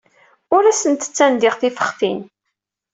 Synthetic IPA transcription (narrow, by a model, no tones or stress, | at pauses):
ʊɾæsənt̪ə̥t͡sːænd̪ɪʁθifə̥χθin